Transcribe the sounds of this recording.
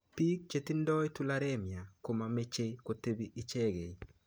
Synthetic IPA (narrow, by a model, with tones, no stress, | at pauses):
pi˦k̚t͡ʃe˨ti˦ndɔ˦jtu˦la˦ɾe˦mja˨ko˨mame˦t͡ʃe˦ko˨te˦bi˦ʔi˦t͡ʃe˦ɡe˨